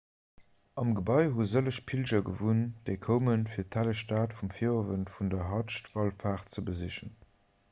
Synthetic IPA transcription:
ɑmɡəbɑɪɦuzələʃpʰilʒɐɡəvund̥əɪkʰoʊmənfiːɐtʰæləʃtaːtfumfiovənfundɐɦɑʃtvɑlfaːχt͡səbəziʃən

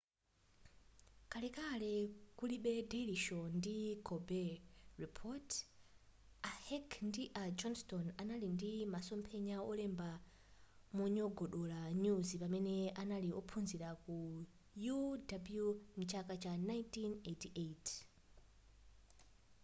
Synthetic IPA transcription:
kalɛkalɛkuliɓɛdeliʃɔndikʰɔbɛripʰɔt | ahɛkʰndiʔad͡ʒɔnstɔnanalindimasɔmpʰɛɲaɔlɛmba | muɲɔɡɔɗɔlaɲuzipamɛnɛanaliɔ̰pʰunziɾaku | judabljumut͡ʃʰakat͡ʃanajntinetiʔet

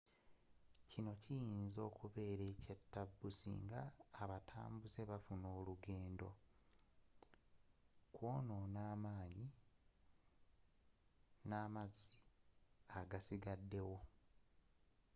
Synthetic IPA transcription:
cino̞cijiːnzo̞ːkuβe̞ːɾe̞ːcetːabːusḭːŋɡaːβatʰa̰ːmbuze̞βafuno̞ːluɡeːndo̞̰ | kwo̞ːno̞naːmaːɲi | naːmazi | aɡasiɡadːe̞wo̞

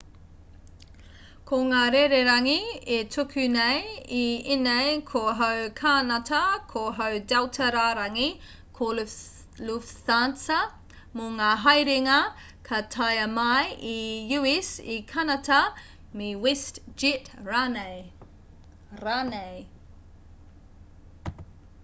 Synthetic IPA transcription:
kʰoŋaːɾeɾeɾɐŋietʰukʰʉnejiinejkʰoɦɐwkʰanɐtʰɐkʰoɦɐwdawtʰɐɾaːɾɐŋi | kʰo | luftansɐ | moŋaːɦɐjɾeŋɐ | kʰɐtʰajɐmɐjijuisikʰɐnɐtɐ | mewɛstd͡ʒitɹanej | ɾaːnej

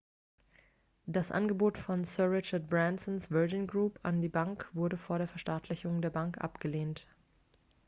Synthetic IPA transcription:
d̥asʔa̰nɡəboːtfɔnsœɐʁɪt͡ʃɐt̚b̥ʁansɔnsv̥ɛːd͡ʒɪnɡʁuːpʰa̰ndiːbaŋkv̥ʊɐɾəfoːɐɾeːɐfɛɐʃtaɐtʰlɪçʊŋdeːɐbaŋkʔa̰pɡ̥əleːnt

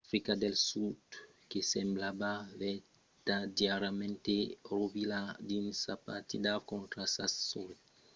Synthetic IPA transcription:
fɾikad̪elsud̪ | kesemblabavɛ | t̪ad̪jaɾamẽnt̪erovilad̪insapat̪id̪akõnt̪ɾasassɔɾ

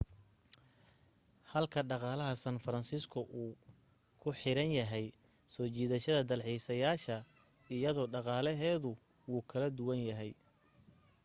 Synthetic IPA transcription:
hɐlkʰɐɖɑqɑːlɐɦɐsɐnfɐɾɐnsiskʰʊʔuː | kʰʊħɪɾɐnjɐɦɛj | sɔːt͡ʃiːðɐʃɐðɐd̪ɐlħiːsɐjaːʃɐ | ɪjɐðɔːɖɑqɑːlɐɦɛːðʊ | wuːkʰɐlɐd̪ʊwɐnjɐɦɛj

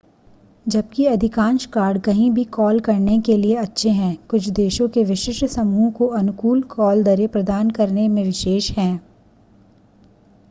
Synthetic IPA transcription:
d͡ʒɐb̚kiɐd̪ʱɪkãːnʃkaːɾɖkɐɦĩbʱikɔːlkɐɾnekelieɐtːʃʰeɦɛ̃ːkʊt͡ʃʰd̪eːʃõkeʋɪʃɪʃsɐmuːkoɐnʊkuːlkɔːld̪ɐɾepɾɐd̪aːnkɐɾnemẽʋɪʃeːʃɦɛ̃ː

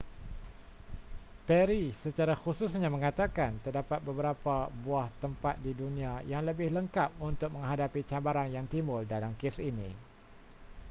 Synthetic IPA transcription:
pɛɾisət͡ʃaɾaxususɲamə̃ŋat̪akant̪ərdapat̪̚bəbəɾapabuaht̪əmpat̪̚didunĩãjaŋləbɪhləŋkap̚unt̪ʊk̚mə̃ŋɦadapit͡ʃabaɾanjaŋt̪imbʊldalamkesinḭ̃

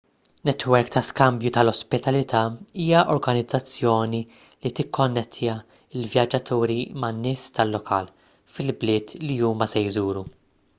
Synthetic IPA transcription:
nɛt̪wɛɾkt̪ɐskɐmbjut̪ɐlɔspɪt̪ɐlɪt̪ʰɐːiːjɐʔɔɾɡɐnɪd͡zːɐt͡sːjɔːni | lit̪ɪkʰːɔnːɛt̪ʰːɪjɐ | ɪlvjɐd͡ʒːɐt̪ʰuːɾimɐnːɪːst̪ɐlːɔkʰɐ̰ːl | fɪlblɪːt̪liuːmɐsɛjzuːɾu

